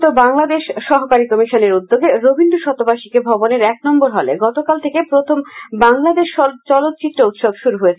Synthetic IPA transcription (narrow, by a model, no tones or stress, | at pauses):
t̪obaŋlad̪eʃːɔɦokaɾikɔmiʃoneɾud̪ːoɡeɾobʱindɖoʃɔt̪obaʃikebʱɔboneɾɛk̚nɔmboɾɦɔleɡɔt̪okalt̪ʰekepɾot̪ʰombaŋlad̪eʃt͡ɕɔlot̪̚ːt͡ɕit̪ɾout̪ʃobʃuɾuɦoet͡ɕʰ